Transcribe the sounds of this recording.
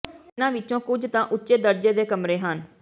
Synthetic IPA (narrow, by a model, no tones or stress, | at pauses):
ɪnãːʋɪt͡ʃõːkʊd͡ʒt̪ãːʔʊtːʃeːd̪əɾd͡ʒeːd̪eːkəmɾeːɦən